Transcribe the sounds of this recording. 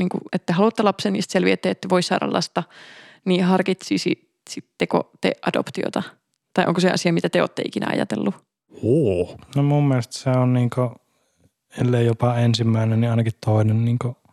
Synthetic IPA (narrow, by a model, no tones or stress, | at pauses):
niːŋkṵʔet̪ːæhɑlut̪ːelɑpsenːḭːst̪selʋiet̪ːæːet̪ːæʋoisːɑ̰ːɾɑ̰lːʔɑ̰st̪ɑ | niːhɑrkit̪sisi | sit̪ːeko̰t̪ḛʔʔɑdo̰pt̪io̰t̪ɑ | t̪ɑiʔo̰ŋkoseɑ̰siɑmit̪æt̪eo̰ːt̪ːḛʔikinæ̰ɑ̰jɑ̰t̪ḛlːu | oːnomumːielest̪seonniːŋko | elːejjopɑensimːæˑinenniɑˑinɑkit̪t̪ʰoˑinenniːŋko